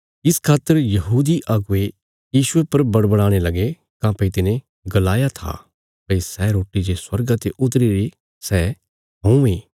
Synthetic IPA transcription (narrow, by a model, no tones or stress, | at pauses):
ɪskʰaːt̪ːəɾjɐɦuːd̪iʔaːɡʊe | jiːʃʊepɐɾbɐɽbəɽ̃aːɽ̃elɐɡe | kãpɐit̪ɪnẽ | ɡɐlaːjat̪ʰa̰ | pɐisɛɾoːʈid͡ʒeswɐɾɡãt̪eʔʊt̪ɾiɾe | sɛː | ɦõũeː